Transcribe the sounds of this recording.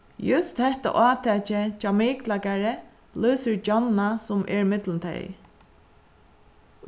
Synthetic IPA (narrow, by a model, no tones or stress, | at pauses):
jʊst̪hɛht̪a̰ʔaːt̪ʰɛt͡ʃɪt͡ʃamɪːklakaɹɪ | lʊːsəɹd͡ʒɔnːasʊmʔɛ̰ɹɪmɪt̪lɪnt̪ʰɛ̰j